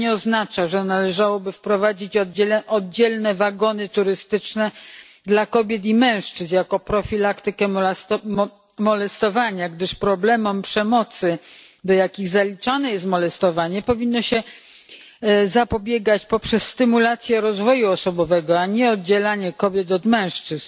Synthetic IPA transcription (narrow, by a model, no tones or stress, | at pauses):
ɲɛɔznat͡ʂaʐɛnalɛʐawɔbɘfpɾɔvad͡ʑit͡ɕɔʔɔd̪̚d͡ʑɛlnɛvaɡɔnɘt̪uɾɘst̪ɘt͡ʂnɛ | d̪lakɔbʲjɛt̪̬imɛ̃w̃ʂt͡ʂɘzjakɔpɾɔfʲilakt̪ɘkɛ | mɔlɛst̪ɔvaɲaɡd̪ɘʂpɾɔblɛmɔmpʂɛmɔt̪sɘd̪ɔjakʲiɣzalʲit͡ʂanɛjɛs̬t̪mɔlɛst̪ɔvaɲɛpɔvʲinːɔɕɛ | zapɔbʲjɛɡat͡ɕpɔpʂɛsːt̪ɘmulat̪sʲjɛɾɔzvɔjuɔsɔbɔvɛɡɔaɲɛɔd̪̚d͡ʑɛlaɲɛkɔbʲjɛt̪ɔd̪mɛ̃w̃ʂt͡ʂɘz